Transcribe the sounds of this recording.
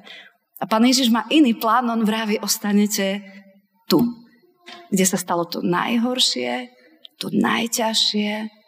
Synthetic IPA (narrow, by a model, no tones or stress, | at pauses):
apaːnjɛʒiʒmaːʔiniːplaːnɔnvɾaːʋiʔɔst̪aɲɛcɛ | t̪u | ɡɟɛsast̪alɔt̪ɔ̰na̰jɦɔɾʃɪɛ | t̪ɔna̰jcaʃɪɛ